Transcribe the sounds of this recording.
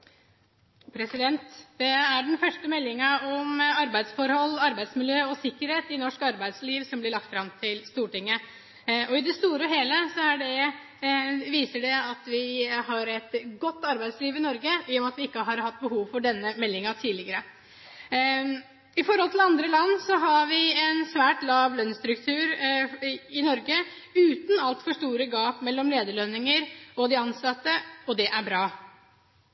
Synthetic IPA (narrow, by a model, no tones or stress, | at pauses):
pʰɾɛsɪd̪ɛnt̪d̪ɛæɖɛnfœʂʈəmɛlːɪŋɑɔmɑɾbæɪd̪sfɔɾhɔlːɑɾbæɪsmɪljøːɔsɪkːəɾheːt̪ɪnɔʂkɑɾbæɪd̪sliːʋsɔmblɪɭɑk̚t̪fɾɑmt̪ʰɪlst̪uːʈɪŋːə | ʔɔɪd̪ɛst̪uːɾəɔɦeːləsɔæɖɛ | ʋiːsəɖɛɑt̪ʋɪɦɑɾɛt̪ɡɔt̪ːɑɾbæɪsliːʋɪnɔɾɡəɪjɔmɑt̪ʋɪɪkːəɦɑɾhɑt̪̚ːbəhuːʋfɔɖɛnːəmɛlːɪŋɑt̪ʰiːlɪɡəɾə | ɪfɔɾhɔlt̪ʰɪlɑnd̪ɾəlɑnːsɔɦɑɾʋɪɛnsʋæːʈlɑːʋlœnːst̪ɾʉkt̪ʰʉːɾ | ɪnɔɾɡəʉːt̪n̩ɑlt̪fɔʂt̪uːɾəɡɑːpmɛlːɔmleːd̪əɭœnːɪŋəɾɔd̪ɪɑnsɑt̪ːəɔd̪ɛʔæɾbɾɑː